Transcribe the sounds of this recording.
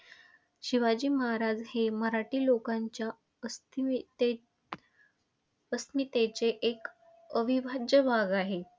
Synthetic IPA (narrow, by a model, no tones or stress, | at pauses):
ɕiʋad͡ʑiːməɦaɾad͡zheməɾaʈiːlokaɲt͡ɕja | ə | e | əst̪nit̪et͡seʔek | əbʱibʱad͡ʑəbʱaɡaɦe